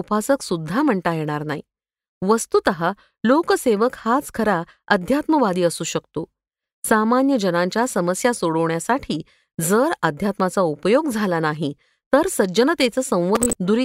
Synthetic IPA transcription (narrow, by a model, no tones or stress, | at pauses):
upasəksud̪ʱːam̤əɳʈajeɽ̃aɾnaɦi | ʋəst̪ut̪əɦa | lokəseʋəkhat͡skʰəɾa | əd̪ʱjat̪məʋad̪iːəsuːɕəkt̪o | samanjəd͡ʑənãɲt͡ɕjasəməsjasoɽəʋɳjasaʈʰiː | d͡zəɾəd̪ʱjat̪mat͡saupəjoɡd͡zʱalanaɦi | t̪əɾsəd͡ʑənət̪et͡səsə̃w̃ʋəɦid̪uɾi